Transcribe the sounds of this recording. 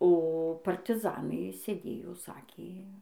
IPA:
oː pɐrʲtʲɪˈzɑːnɐɪ sʲeːˈdʲeːjoː ˈsɑːkʲeː

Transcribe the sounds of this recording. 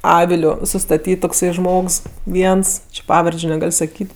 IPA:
ˈɑːʋʲɪlʲʊ sʊstɐˈtʲiːt toːkˈsɐɪ ˈʒmoːks ˈʋʲiɛns t͡ʃʲɪ ˈpɑːʋɐrʲd͡ʒʲʊ nʲɛˈɡɐlʲ sɐˈkʲiːtʲ

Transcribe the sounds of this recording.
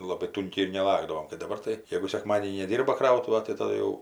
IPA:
ˈlˠɑːbɐɪ ˈtʊŋʲkʲɛɪ ɪr nʲɛˈlˠɑːɡdɐʋoːm kɐɪ dɐˈbɐr tɐɪ ˈjeːɡʊ sʲɛkˈmɑːdʲeːnʲiː nʲɛˈdʲiːrbɐ ˈkrɐʊtʊʋɐ tɐɪ tɐˈdʊ jɛʊ

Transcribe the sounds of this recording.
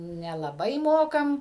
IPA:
nʲɛlˠɐˈbɐɪ ˈmoːkɐm

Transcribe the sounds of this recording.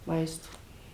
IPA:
ˈmɐɪstoː

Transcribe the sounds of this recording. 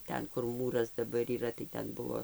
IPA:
ˈtʲɛn kʊr ˈmuːrɐs dɐˈbɐr iːˈrɐ tɐɪ ˈtʲɛn ˈbʊʋoː

